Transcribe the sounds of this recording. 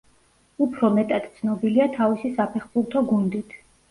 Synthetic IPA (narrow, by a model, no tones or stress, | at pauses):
upʰɾɔmɛt̪ʼat̪t̪sʰnɔbiliat̪ʰavisisapʰɛχbuɾˠt̪ʰɔɡund̪it̪ʰ